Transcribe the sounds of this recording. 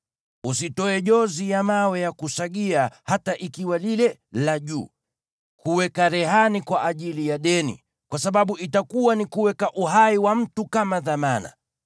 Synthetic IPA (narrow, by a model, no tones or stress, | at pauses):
usitɔɛʄɔzijamawɛjakusaɠiahataʔikiwalilɛlaʄṵː | kuwɛkaɾɛɦanikwaʔaʄilijaɗɛnḭ | kwasaɓaɓuʔitakuwanikuwɛkaʔuɦaiwam̩tukamaðamana̰